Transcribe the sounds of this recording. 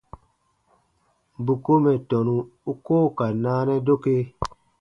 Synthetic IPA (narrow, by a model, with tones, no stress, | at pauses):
bu˨ko˦mɛ˨tɔ˨nũ˨u˦koː˦˨ka˨naː˦nɛ˦do˦ke˦